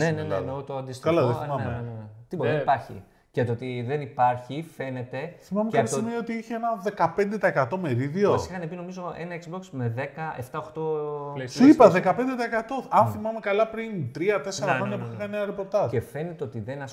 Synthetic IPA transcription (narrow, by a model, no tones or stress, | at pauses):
nenenenot̪oɐnd̪iskɐlɐðeθimɐment̪ibopɐɾçḭ | cɐt̪oot̪iðenipɐɾçife̞ne̞t̪e̞θimɐmekɐsimioot̪iiçeenɐðe̞kɐpe̞nd̪e̞t̪ɐekɐt̪o̞me̞ɾiðio̞sixɐnepino̞mizo̞enɐekzbo̞ksmeðe̞kɐe̞ft̪ɐoxt̪osipɐðe̞kɐpe̞nd̪e̞t̪ɐekɐt̪o̞ɐnθimɐme̞kɐlɐpɾint̪ɾiɐt̪e̞seɾɐxɾoɲɐpufixɐneɐɾepo̞ɾt̪ɐzefe̞net̪eot̪iðenɐs